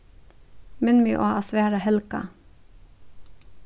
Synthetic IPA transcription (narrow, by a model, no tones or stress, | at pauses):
mɪnmyːʔoːʔɑsʋeːɾɑhɛlkɑ̰